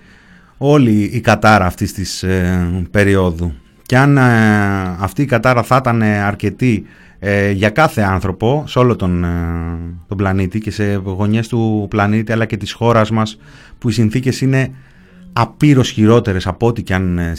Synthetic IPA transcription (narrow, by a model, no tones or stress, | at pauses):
o̞liːkɐt̪ɐɾɐːft̪ist̪is | pe̞ɾio̞ðu | ce̞ɐn | ɐft̪iːkɐt̪ɐɾɐθɐt̪ɐne̞ɐɾce̞t̪i | ʝɐkɐθe̞ɐnθɾo̞po̞seo̞lo̞t̪o̞n | t̪o̞blɐnit̪ice̞se̞ɣo̞ɲe̞st̪uplɐnit̪iɐlɐce̞t̪isxo̞ɾɐzmɐs | puisinθice̞sine̞ | ɐpiɾo̞sçiɾo̞t̪e̞ɾe̞sɐpoot̪iceɐn